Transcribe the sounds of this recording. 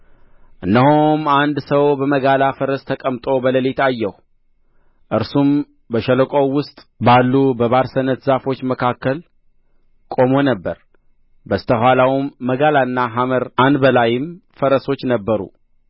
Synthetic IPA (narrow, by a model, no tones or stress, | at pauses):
ʔɨnːəhomand̪səwbəməɡalafəɾəst̪ʰəkʼəmt̪ʼo̞bələlet̪ajːɛhu | ʔɨɾsum | bəʃələkʼo̞wʊst̪ʼbalːubəβaɾsənət̪zafo̞t͡ʃːməkʰakːəl | kʼo̞mo̞nəbːəɾ | bəst̪ʰəɦwalawmːəɡalaɨnːaɦaməɾand̪bəlajɪmfəɾəso̞t͡ʃːnəbːəɾṵ